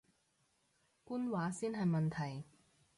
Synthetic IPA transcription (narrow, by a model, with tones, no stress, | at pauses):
kuː˥nwaː˨˥siː˥nɦɐ˨jmɐ˨nt̪ʰɐ˨˩j